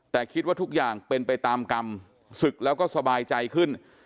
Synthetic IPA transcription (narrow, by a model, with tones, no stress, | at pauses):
t̪ɛː˨˩kʰi˦˥t̪̚waː˥˩u˦˥k̚jaː˨˩ŋpe˧npa˧jt̪aː˧mka˧m | sɯ˨˩k̚lɛː˦˥wkɔː˥˩sa˧baː˧jt͡ɕa˧jkʰɯ˥˩n